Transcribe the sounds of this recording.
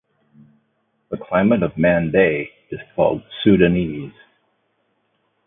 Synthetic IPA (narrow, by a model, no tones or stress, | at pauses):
ðəkʰl̥ãɪ̃məɾʌvmæ̃ndeɪ | ɨz̥kʰɔ̰lˠd̚sʉɾɨniz̥